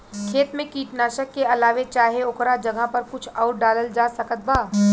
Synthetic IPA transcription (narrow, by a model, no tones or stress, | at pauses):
kʰeːt̪mẽkiːʈnaːʃəkːeɐlaːʋet͡ʃaːɦeʊkɾad͡ʒɐɡʱapɐɾkʊt͡ʃʰɔːʈɖaːləld͡ʒaːsɐkət̪̚baː